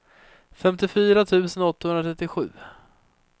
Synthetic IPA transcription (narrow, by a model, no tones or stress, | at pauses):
fɛmt̪ɪfyːɾat̪ʰʉ̟ːsənɔt̪ːahɵnɾat̪ʰɾɛt̪ːɪɧʉ̟ː